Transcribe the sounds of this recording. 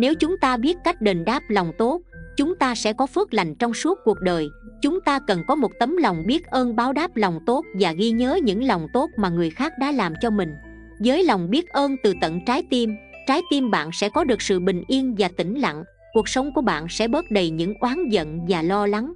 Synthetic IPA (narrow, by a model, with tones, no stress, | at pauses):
ne˨˦wt͡ɕʊ˨˦ŋ͡mt̪aː˧ɓi˦˥ət̚ka˦˥jk̟̚ɗe˨˩nɗaː˦˥p̚lɔ˨˩wŋ͡mt̪o˦˥t̚t͡ɕʊ˨˦ŋ͡mt̪aː˧sɛ̰˧˥kɔ˨˦fɨ˦˥ək̚la˨˩jŋ̟t͡ɕɔ˧wŋ͡msu˦˥ət̚ku˨˩ək̚ɗəː˨˩jt͡ɕʊ˨˦ŋ͡mt̪aː˧kə˨˩nkɔ˨˦mo˨˩t̚t̪ə˨˦mla˨˩wŋ͡mɓi˦˥ət̚ʔəː˧nɓaː˨˦wɗaː˦˥p̚lɔ˨˩wŋ͡mt̪o˦˥t̚vaː˨˩ɣi˧ɲəː˨˦ɲɨ̰˧˥ŋlɔ˨˩wŋ͡mt̪o˦˥t̚maː˨˩ŋɨ˨˩əjxaː˦˥k̚ɗa̰ː˧˥laː˨˩mt͡ɕɔ˧mï˨˩ŋ̟ | zəː˨˦jla˨˩wŋ͡mɓi˦˥ət̚ʔəː˧nt̪ɨ˨˩t̪ə̰˧˨nt͡ɕaː˨˦jt̪i˧mt͡ɕaː˨˦jt̪i˧mɓa̰ː˧˨nsɛ̰˧˥kɔ˨˦ɗɨ˨˩ək̚sɨ̰˧˨ɓï˨˩ŋ̟ʔi˧ənvaː˨˩t̪ï˧˩ŋ̟la̰˧˨ŋ | ku˨˩ək̚sə˨˦wŋ͡mku˧˩əɓa̰ː˧˨nsɛ̰˧˥ɓə˦˥t̚ɗə˨˩jɲɨ̰˧˥ŋʔwaː˨˦nzə̰˧˨nvaː˨˩lɔ˧la˨˦ŋ